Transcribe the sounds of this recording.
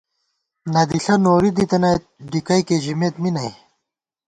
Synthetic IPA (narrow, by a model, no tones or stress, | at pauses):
nɐd̪iɬɐnoːɾid̪it̪ɐnɐt̪̚ɖikɐjkeʑimeːt̪minɐj